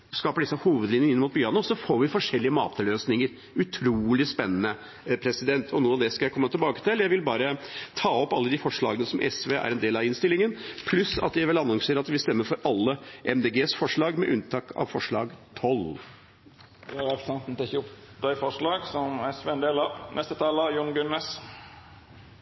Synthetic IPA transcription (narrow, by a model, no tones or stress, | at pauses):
skɑːpəɖɪsːəhuːʋəd̪lɪnəɪnːmuːt̪̚bʏɑnʊsɔfoːɾʋɪfɔʂɛlːɪəmɑ̰ːt̪ʰəløːsnɪŋəɾ | ʉt̪ʰɾuːlɪspɛnːənə | pʰɾɛsɪd̪ɛnt̪ʰɔnuːɑʋd̪ɛskɑjæɪkɔmːət̪ʰɪlbɑːkə̥t̪ɪljæɪʋɪlbɑːɾət̪ʰɑːɔpːɑlːəd̪ɪfɔʂɭɑ̰ːɡənəsɔmʔɛ̰sʋḛʔæ̰ɾɛnd̪eːlɑʋɪnst̪ɪlːɪŋənpʰlʉsɑ̰t̪jæɪʋɪlɑnːɑŋseːɾɑt̪ʋɪst̪ɛmːəɾfɔɾɑlːəʔɛmd̪eːɡeːsfɔʂɭɑːɡmɛʔʉnt̪ʰɑːkʰɑ̰ʋfɔʂɭɑ̰ːɡt̪ʰɔl | d̪ɛɑɾɛpɾəsɛnt̪n̩t̪ɛçʊp | d̪æɪfɔʂɭɑːɡsɔmɛsʋend̪eːlɑnʔɛst̪ət̪ʰɑːləjʊnɡʉnːəs